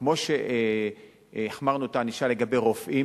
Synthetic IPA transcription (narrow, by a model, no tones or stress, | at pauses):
kmo̞ʃe | eχmaʁnuot̪aniʃale̞ɡabe̞jʁo̞fʔi